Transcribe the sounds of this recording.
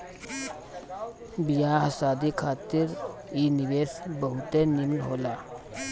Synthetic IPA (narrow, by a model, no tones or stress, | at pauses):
bijaːɦɐsaːd̪ikʰaːt̪ɪɾ | iːnɪweːsbəɦʊt̪enimnɦoːlaː